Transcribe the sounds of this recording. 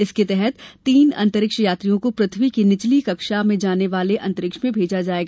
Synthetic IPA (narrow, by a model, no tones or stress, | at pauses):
ɪsket̪ɛɦɛt̪ːiːnɐ̰̃nt̪əɾɪkʃjaːt̪ɾijõkopɾɐt̪ʰʋikenɪt͡ʃlikɐkʃamẽd͡ʒaːneʋaːleʔɐ̰̃nt̪əɾɪkʃmẽbʱeːd͡ʒad͡ʒaːeːɡaː